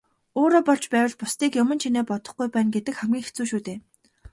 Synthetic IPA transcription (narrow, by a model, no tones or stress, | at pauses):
oːɾɔːpɔɮt͡ɕpæːwə̆ɮpʊst̪iːkjʊmə̆nt͡ɕʰineːpɔt̪ɞ̥̆χɡujpæːnɡet̪ɘ̆kχæmɡʲiːŋxet͡suːʃuːt̪eː